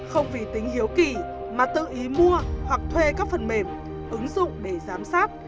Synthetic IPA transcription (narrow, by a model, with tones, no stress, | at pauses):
xə˧wŋ͡mvi˨˩t̪ï˨˦ŋ̟hi˨˦əwki˨˩ | maː˨˩t̪ɨ̰˧˨ʔi˨˦mu˧əhwa˨˩k̚t̪ʰwe˧kaː˦˥k̚fə˨˩nme˧˩m | ʔɨ˨˦ŋzʊ̰˧˨ŋ͡mɗe˧˩zaː˨˦msaː˦˥t̚